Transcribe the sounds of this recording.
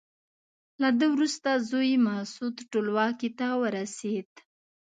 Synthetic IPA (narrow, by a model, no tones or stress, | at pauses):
lad̪əwɾust̪azojmahsud̪ʈolwɑkit̪awəɾased̪